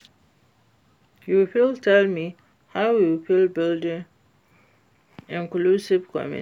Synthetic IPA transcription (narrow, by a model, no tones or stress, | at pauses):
jufiltʰɛlmi | hawwifilbɪldɪ̃ŋ | ĩnklusivkɔ̰̃mjṵ